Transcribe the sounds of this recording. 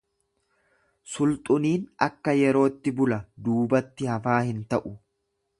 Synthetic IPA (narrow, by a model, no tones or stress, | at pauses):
sʊlt̪ʼʊniːnɐkːɐjɛɾo̞ːt̪ːɪbʊlɐd̪uːbɐt̪ːɪhɐfaːhɪnt̪ɐʔʊ